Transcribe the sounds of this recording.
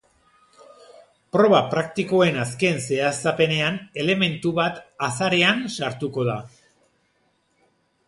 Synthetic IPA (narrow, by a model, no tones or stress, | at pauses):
pɾo̞βapɾak̚t̪iko̞e̞naske̞nse̞asape̞ne̞ane̞le̞me̞nt̪uβat̪asaɾe̞ansaɾt̪uko̞ða